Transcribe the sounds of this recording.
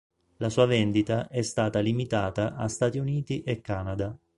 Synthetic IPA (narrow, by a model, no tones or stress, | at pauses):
lasuːavɛnd̪it̪aʔɛst̪aːt̪alimit̪aːt̪aʔast̪at̪iuniːt̪iʔɛkːaːnad̪a